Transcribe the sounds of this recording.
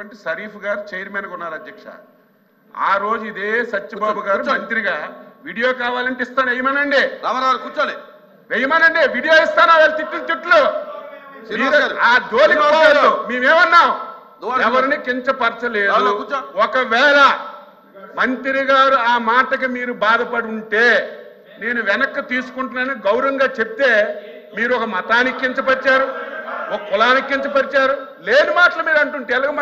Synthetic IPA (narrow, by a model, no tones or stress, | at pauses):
ɐɳʈisɐɾiːpuɡaːɾut͡ʃejɐɾmeːnɐkunːaːɾɐd̪jɐkʂɐ̰ | a̰ːɾo̞ːd͡ʒuid̪eːsɐt͡ʃːɐbaːbuɡaːɾumɐnt̪ɾiɡaːʋiːɽijo̞ːkaːʋaːlɐɳʈeist̪aːnejɐmɐnɐɳɖiɐakut͡ʃː | ɾejɐmɐnɐɳɖiʋiːɽijoːist̪aːnaːʋaːlɐt̪it̪ːunt̪uʈːlo | aːd̪oːlikɐɔːadumeːmeːmɐnːaːw | ɛʋɐɾinikiɲt͡ʃɐpɐɾt͡ʃɐle̞ːdd̪uɔkɐʋɛːlɐ | mɐnt̪iɾiɡaːɾuaːmaːʈɐk̬imiːɾubaːd̪ɐpɐɽuɳʈe̞ː | ne̞ːnuʋɛnɐkːɐt̪iːsu̥kuɳʈunɐniɡɐwɾɐŋɡaːt͡ʃe̞p̚t̪e̞ː | miːɾuɔkɐmɐt̪aːnikːiɲt͡ʃɐpɐɾit͡ʃaːɾuɔkɐkulaːnikːiɲt͡ʃɐpɐɾit͡ʃaːɾu | le̞ːnimaːʈɐlɐmiːɾɐɳʈuɳʈeːlɐɡɐm